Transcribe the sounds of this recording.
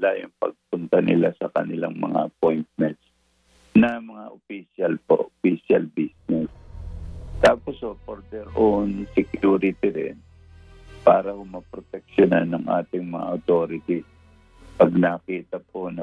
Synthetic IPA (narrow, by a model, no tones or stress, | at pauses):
lajʊŋpɐ̰ɡ̚p̚ʊnt̪ɐnɪ̰lasɐkɐ̰nɪlaŋmɐŋa̰ʔɐp̚ojnt̪̚mɛnt̪̚s | nɐmɐŋaʔʊpiʃɐlpo̰ʔopiʃɐlbisnɛs | t̪aːposhopoɾd̪ɛɾʔonsɛkjuːɾɪt̪ɪɾɪ̰n | paːɾɐhomɐpɾot̪ɛk̚ʃonanːɐŋʔa̰ːt̪ɪŋmɐŋa̰ʔɐt̪o̞ːɾɪt̪is | pɐɡ̚nakiːt̪ɐponɐ